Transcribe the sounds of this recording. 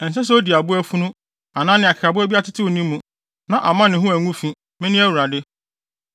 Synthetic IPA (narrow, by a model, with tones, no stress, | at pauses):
ɛ˨n̩˨s̬ɛ˦s̬ɛ˦o˦di˨a˨bʊ˦æ˦fũ˦nʊ̃˦ | a˨nãː˦nɪ̃˨a˨kɪ̥˨ɾa˨bʊ˦æ˦bi˦a˦tɪ˦tʰɪ˦wo˨nĩ˦mː˦ũ˨ | nã˨ʔa˨mã˦nɪ̃˨ɦʊ̃˦æ˨ŋũ˦fĩ˦ | mɪ̃˦nɪ̃˦æ˦wu˨ɾa˨dɪ˦